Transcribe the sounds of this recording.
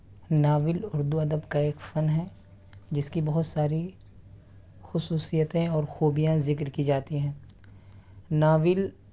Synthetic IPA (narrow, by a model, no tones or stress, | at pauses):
naːʋɪlʊɾd̪uɐd̪əbkaeːkfɐnɦɛ | d͡ʒɪskibɐɦʊt̪saːɾi | xʊsuːsijət̪ẽɔːɾxoːbijãzɪkɾkid͡ʒaːt̪iɦɛ̃ː | naːʋɪl